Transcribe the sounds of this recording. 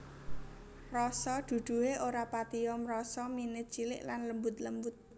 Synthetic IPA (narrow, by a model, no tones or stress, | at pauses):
rɔsɔd̪̥ṳd̪̥ṳeʔoɾapat̪iɔmrɔsɔminɪt̪̚t͡ʃilɪ̰ʔlanləmbʊt̪ləmbʊt̪̚